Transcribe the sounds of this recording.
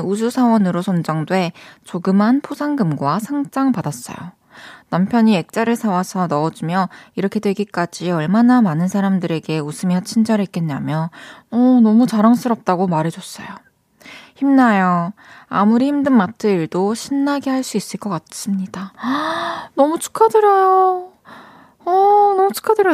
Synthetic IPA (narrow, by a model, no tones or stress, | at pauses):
ud͡ʑusʰawʌnɯɾosʰʌnd͡ʑaŋdwe̞t͡ɕoɡɯmɦanpʰosʰaŋɡɯmɡwasʰaŋd͡ʑ͈aŋpadas͈ʌ̰jo̰ | nampʰjʌɲie̞k̚t͡ɕ͈aɾɯɭsʰawasʰʌnʌːd͡ʑimjʌiɾʌkʰe̞dwe̞ɡik͈ad͡ʑiʌɭmanamanɯnsʰaɾamdɯɾe̞ɡe̞usʰɯmjʌt͡ɕʰind͡ʑʌɾek͈enːamjʌʌnʌmut͡ɕaɾaŋs͈ɯɾʌp̚t͈aɡomaɾe̞d͡ʑʌs͈ʌ̰jo | çimnajo | a̰muɾiçimdɯŋmatʰɯiɭdoɕʰinːaɡehaɭs͈uis͈ɯɭk͈ʌk͈as͈ɯmɲida | nʌmut͡ɕʰu̥kʰadɯɾajo | ʌnʌmut͡ɕʰu̥kʰadɯɾ